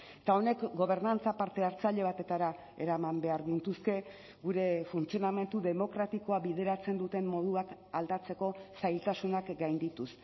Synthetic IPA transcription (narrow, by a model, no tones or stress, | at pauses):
et̪ao̞ne̞kɡo̞β̞e̞ɾnant͡sapaɾt̪e̞aɾt͡saʎe̞β̞at̪e̞t̪aɾa | e̞ɾamambe̞aɾɣint̪uske̞ | ɡuɾe̞funt͡sio̞name̞nt̪uðe̞mo̞kɾat̪iko̞aβiðe̞ɾat͡se̞nd̪ut̪e̞mmo̞ð̞uak | ald̪at͡se̞ko̞sajlt̪asunakɡajnd̪it̪us